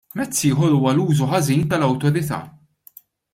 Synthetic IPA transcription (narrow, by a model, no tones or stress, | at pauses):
mɛt͡sːɪːħɔɾuːwɐluːzuħɐziːnt̪ɐlɐwt̪ɔɾɪt̪ɐ̰ː